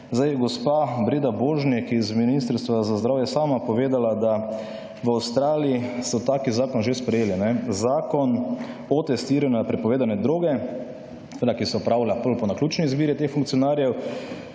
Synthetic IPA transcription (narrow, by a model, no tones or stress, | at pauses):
zd̪ajɛɡɔspabɾeːd̪aboʒnikizminist̪əɾst̪ʋazazd̪ɾaːwjɛsaːmapɔʋeːd̪alad̪a | ʋawst̪ɾaːlijisɔt̪aːkizaːkɔnʒespɾɛjeːlinɛzaːkɔn | ɔt̪ɛst̪iːɾanɛapɾɛpɔʋeːd̪anɛd̪ɾoːɡɛ | sʋeːd̪akisɛɔpɾawlapɔlpɔnaklʲuːt͡ʃnɛizbiːɾit̪exfuŋkt̪siɔnaːɾjɛw